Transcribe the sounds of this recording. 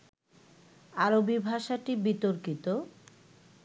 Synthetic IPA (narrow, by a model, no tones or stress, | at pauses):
aɾobibʱaʃaʈibit̪oɾkit̪o